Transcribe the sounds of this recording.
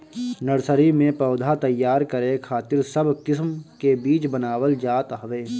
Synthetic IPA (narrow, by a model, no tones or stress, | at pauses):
nəɽsəɾimẽpɐːd̪ʱat̪ɐjːaːɾkəɾekʰaːt̪ɪɾsəbkɪs̬mkebiːt͡ʃbənaːʋəld͡ʒaːt̪ɦɐʋeː